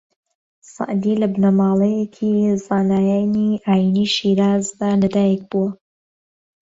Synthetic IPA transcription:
sˤɑ̰ʔd̪ilɐbnamɑːlˠejekʰizaːnaːjaniʔaːjiniʃiɾaːzd̪aːlɐd̪aːjɛk̚b̥uwɐ

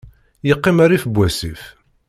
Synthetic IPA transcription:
jəqːɪmaɾifbʷːæsif

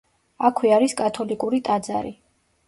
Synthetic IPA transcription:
akʰwiaɾiskʼat̪ʰɔlikʼuɾit̪ʼad̪za̰ɾḭ

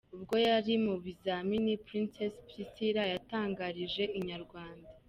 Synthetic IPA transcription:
ubɡo̞jaɾimuβizaminipɾinsespɾisiɾajataːŋɡaɾiʒe̞iɲaɾɡwaːnda

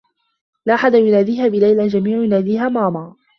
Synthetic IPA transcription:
laʔaħad̪ajʊnaːd̪iːɦaːbɪlajlad͡ʒamiːʕjʊnaːd̪iːɦaːmaːmɑː

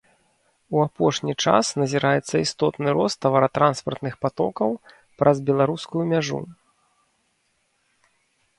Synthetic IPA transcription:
uapɔʂnʲit͡ʂa̰snɐzʲiɾʔajɛt̪sːɐist̪ɔt̪nɨɾɔst̪ːɐvɐɾɐt̪ɾʔanspɐrt̪nɨxpat̪ɔ̰kɐw | pɾʔɐzbʲɛlˠaɾuskujumʲaʐṵ

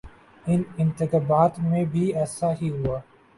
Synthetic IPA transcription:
ɪ̃nɪ̃nt̪ɪkaːbaːt̪mẽːbʱiːɛːsaɦiɦuaː

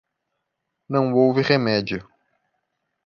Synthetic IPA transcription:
nɐ̃w̃owvɪʁemɛd͡ʒiʊ

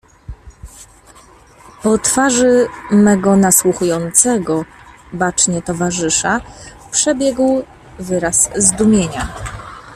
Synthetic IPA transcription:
pɔt̪faʐɘmɛɡɔnaswuxujɔnt̪sɛɡɔbat͡ʂɲɛt̪ɔvaʐɘʂapʂɛbʲjɛɡw | vɘɾaszd̪umʲjeɲa

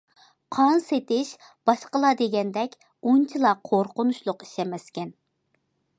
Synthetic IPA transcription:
qʰɑnset̪ɪʃ | b̥ɑʃqəlˠɑd̪eɡʲɛnd̪ɛkʲ | unt͡ʃʰilˠɑqʰoɾqʊnuʃlˠʊqi̥ʃɛmɛskʲɛn

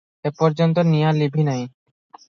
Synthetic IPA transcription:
epɔɾd͡ʑont̪̬onijalibʱinaj

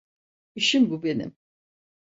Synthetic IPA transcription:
iʃimbube̞nḭm

